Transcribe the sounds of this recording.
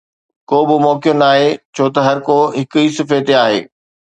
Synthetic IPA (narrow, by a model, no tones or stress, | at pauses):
koːbɪmɔːkijõnaːɦet͡ɕʰoːt̪ɐɦɐɾkoːɦɪkʊiːsɪfeːt̪eaːɦḛː